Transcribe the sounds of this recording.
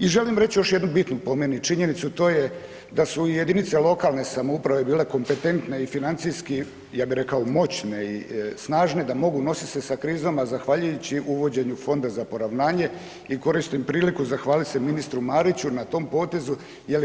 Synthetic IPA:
iʒe̞limɾet͡ɕjo̞ʃjed̪nubit̪nupo̞mje̞nut͡ʃiɲe̞nit̪sut̪o̞ːje | d̪asuije̞d̪init̪selo̞kalˠne̞samoupɾaʋe̞biːle̞ko̞mpe̞t̪e̞nt̪ne̞ifinant̪sijski | jaːbiɾe̞kaomo̞t͡ɕne̞isnaːʒne̞d̪amo̞ɡuno̞sise̞sakɾiːzomazaxʋaːʎujut͡ɕiʔuʋo̞d͡ʑe̞ɲufo̞nd̪azapo̞ɾaʋnaːɲe̞ | iko̞ɾist̪impɾiːlikuzaxʋaːlit̪ʲse̞minist̪ɾumaːɾit͡ɕunat̪o̞ːmpo̞ːt̪e̞zu | je̞l

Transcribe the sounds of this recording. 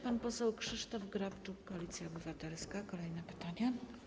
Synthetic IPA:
panpɔsɛwkʂɘʂt̪ɔvɡɾapt͡ʂukːɔalʲit̪sʲjaɔbɘvat̪ɛlskakɔlɛjnɛpɘ̥t̪aɲa

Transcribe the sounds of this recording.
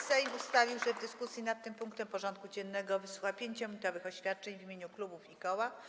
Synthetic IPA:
sɛjust̪avʲiwʐɛvd̪ɘskusʲjinat̪̚ːɘmpuŋkt̪ɛmpɔʐɔnt̪̚kud͡ʑɛnːɛɡɔvɘswuxapʲjeɲt͡ɕɔmɲʲit̪ɔvɘxɔɕfʲjat̪̚t͡ʂɛɲvʲimʲjeɲuklubufikɔwa

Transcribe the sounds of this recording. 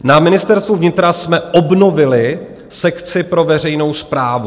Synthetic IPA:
namɪnɪst̪ɛɾst̪vuvɲɪt̪ɾasmɛʔobno̞vɪlɪ | sɛkt͡sɪpɾo̞vɛr̝ɛjno̞wspɾaːvu

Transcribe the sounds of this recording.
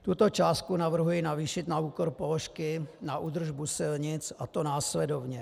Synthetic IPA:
t̪ut̪o̞t͡ʃaːst̪̚kunavr̩ɦujɪnaviːʃɪt̪nauːkoɾpoloʃkɪnaʔuːd̪r̩ʒbusɪlɲɪt͡sʔat̪onaːslɛdovɲɛ

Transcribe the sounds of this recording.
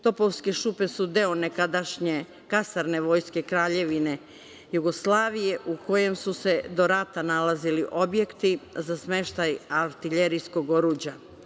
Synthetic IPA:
t̪o̞po̞ʋske̞ʃupe̞sud̪e̞onekad̪aʃɲe̞ | kasaɾne̞ʋo̞ːjske̞kɾaːʎe̞ʋine̞ | juɡo̞slˠaːʋije̞ʔuko̞je̞msuse̞d̪o̞ɾat̪analaziliʔo̞bje̞kt̪izasme̞ʃt̪ajaɾt̪iʎe̞ɾijsko̞ɡo̞ɾuːd͡ʑa

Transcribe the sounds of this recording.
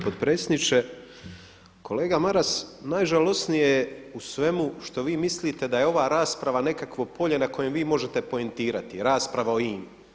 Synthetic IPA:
pod̪̚pɾet̪sʲed̪nit͡ʃe̞ | kʰo̞le̞ːɡamaɾasnaːjʒalo̞snijeusʋe̞muʃt̪o̞ʋiːmislit̪e̞d̪ajeo̞ʋaːɾaːspɾaʋane̞kakʋo̞po̞ʎe̞nako̞je̞mʋiːmo̞ʒe̞t̪e̞po̞e̞nt̪iːɾat̪iɾaːspɾaʋaoiːm

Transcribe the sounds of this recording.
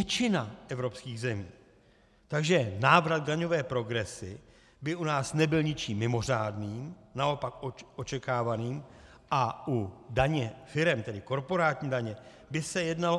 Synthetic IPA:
ɛt͡ʃɪnaʔɛvɾo̞pskiːɣzɛmiː | t̪aɡʒɛnaːvɾad̪̚ɡdaɲo̞vɛːpɾo̞ɡɾɛsɪ | bɪunaːsnɛbɪlɲɪt͡ʃiːmːɪmo̞r̝aːdniːmnao̞pakoot͡ʃɛkaːvaniːm | ʔaʔudaɲɛfɪɾɛmt̪ɛdɪko̞ɾpo̞ɾaːt̪ɲiːdaɲɛ | bɪsɛjɛdnal

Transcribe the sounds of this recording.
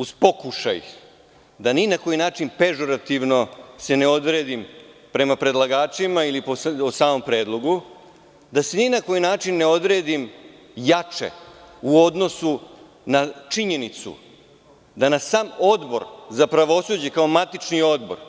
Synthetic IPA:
uzpo̞kuʃa̰ji | d̪aninako̞jinaːt͡ʃinpe̞ʒo̞ɾat̪iʋno̞se̞ne̞o̞d̪ɾeːd̪impɾe̞mapɾe̞d̪lˠaɡaːt͡ʃimailipososaːmo̞mpɾe̞ːd̪lˠo̞ɡu | d̪aseninako̞jinaːt͡ʃinːe̞o̞d̪ɾe̞ːd̪im | jat͡ʃḛuo̞d̪no̞su | nat͡ʂiɲe̞nit̪sṵ | d̪anassaːmo̞d̪bo̞̰ɾzapɾaʋo̞sud͡ʑe̞kao̞mat̪it͡ʃnio̞d̪bo̞̰ɾ

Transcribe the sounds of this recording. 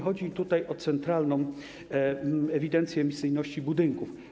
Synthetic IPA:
xɔd͡ʑit̪ut̪ajʔɔt̪sɛnt̪ɾalnɔ̃w̃ | ɛvʲid̪ɛnt̪sʲjɛːmʲisɘjnɔɕt͡ɕibud̪ɘŋkuf

